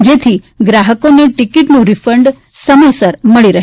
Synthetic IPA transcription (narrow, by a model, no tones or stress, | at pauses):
d͡ʒet̪ʰi | ɡɾaɦəkoneʈikiʈnũɾifəɳɖ | səməjsəɾməɭiɾəɦ